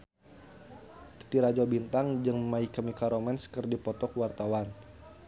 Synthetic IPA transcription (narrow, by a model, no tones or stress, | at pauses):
t̪ə̥t̪iɾad͡ʒɔbint̪aŋd͡ʒəŋmaikəmikaɾomɛnskərdipɔt̪ɔkəwart̪awan